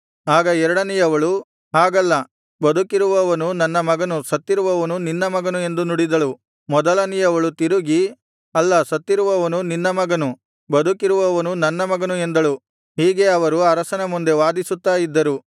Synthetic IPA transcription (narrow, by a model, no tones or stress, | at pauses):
aːɡɐɛɾɐɽɐnijɐʋɐɭu | aːɡɐlːɐ | bɐd̪ukiɾuʋɐʋɐnunɐnːɐmɐɡɐnusɐt̪ːiɾuʋɐʋɐnuninːɐmɐɡɐnue̞nd̪unuɽid̪ɐɭu | mɔd̪ɐlɐnijɐʋɐɭut̪iɾuɡi | ɐlːɐsɐt̪ːiɾuʋɐʋɐnuninːɐmɐɡɐnu | bɐd̪ukiɾuʋɐʋɐnunɐnːɐmɐɡɐnue̞nd̪ɐɭu | hiːɡe̞ɐʋɐɾuɐɾɐsɐnɐmund̪e̞ʋaːd̪isut̪ːaːjid̪ːɐɾu